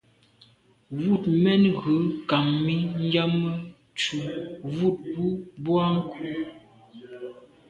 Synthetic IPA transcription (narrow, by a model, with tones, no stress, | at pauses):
wu˦˨tmɛ˦nɣə˨˦ka˨mːi˦n˦d͡ʒa˦mə˦ | t͡ʃu˨vu˦˨t̚bu˦bwa˦ŋ˦ku˦